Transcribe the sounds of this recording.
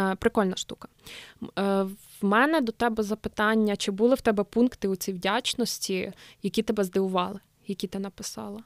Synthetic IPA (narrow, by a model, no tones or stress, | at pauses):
pɾɪkɔlʲnɐʃt̪ukɐ̥ | wmɛnɛd̪ɔt̪ɛbɛzɐpɪt̪ɑnʲːɐt͡ʃɪbulˠɪwt̪ɛbɛpunkt̪ɪut͡sʲiwdʲat͡ʃnɔsʲtʲijɐkʲit̪ɛbɛzd̪ɪʋʊʋɑlˠɪ | jɐkʲit̪ɪnɐpɪsɑ̰lˠɐ